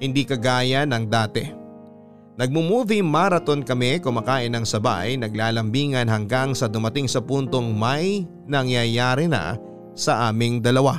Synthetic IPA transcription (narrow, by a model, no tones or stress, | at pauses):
hɪnd̪iːkɐɡaːjɐnɐŋd̪aːt̪ɛ̰ | nɐɡ̚mʊmuːvimaːɾɐt̪o̞nkɐmɛkʊmɐkaːʔɪnɐŋsɐba̰jnɐɡlaːlɐmbiːŋɐnɦɐŋɡaŋsɐd̪ʊmɐt̪ɪŋsɐpunt̪o̞ŋmɐj | nɐŋjɐjaːɾɪnɐ̰ | sɐʔaːmɪŋd̪ɐlɐwa